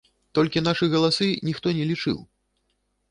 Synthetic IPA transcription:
t̪ɔlʲkʲinaʂɨɣɐlˠasɨnʲixt̪ɔnʲɛlʲit͡ʂɨ̰w

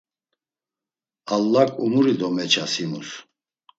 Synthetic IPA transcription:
alːakʼumuɾid̪ɔmɛt͡ʃʰasimṵs

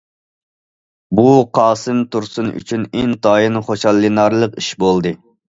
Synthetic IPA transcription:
buqʰɑːsɨmt̪ʰuɾsuny̰t͡ʃʰyneŋt̪ʰɑːjinχoʃɑlˠːinɑɾlˠəqiʃbolˠd̪ɨ

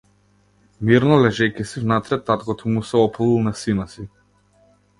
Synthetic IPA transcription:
miɾnɔlɛʒɛkɛsivnat̪ɾɛt̪at̪kɔt̪ʰɔmusɛɔplˠilˠnasinasi

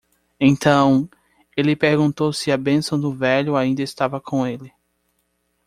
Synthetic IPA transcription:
ẽt̪ɐ̃w̃ | elɪpeɾɡũnt̪owsɪɐbẽsɐ̃w̃d̪ʊvɛʎʊaĩnd̪ɐɪst̪avɐkʰõw̃elɪ

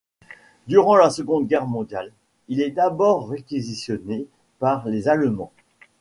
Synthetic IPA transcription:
d̪yʁɑ̃lasəɡɔ̃d̪̚ɡʲɛʁmɔ̃d̪jal | ilɛd̪abɔʁːekʲizisjɔne | paʁlezalmɑ̰̃

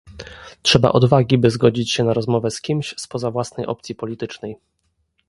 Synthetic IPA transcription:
tʂɛba̰ʔɔd̪vaɡʲibɘzɡɔd͡ʑit͡ɕɕɛnaɾɔzmɔvɛskʲimɕspɔzavwasnɛjʔɔ̰p̚t̪sʲipɔlʲit̪ɘt͡ʂnɛj

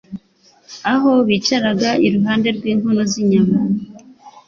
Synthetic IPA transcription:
aɦo̞βiːt͡ʃaɾaɡaiɾuɦaːnde̞ɾɡwiːŋhunoziɲama

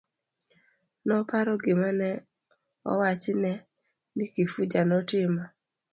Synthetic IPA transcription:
nɔpaɾɔɡɪmanɛ | ɔ̰wat͡ʃɪnɛ | nɪkifud͡ʒanɔtɪma

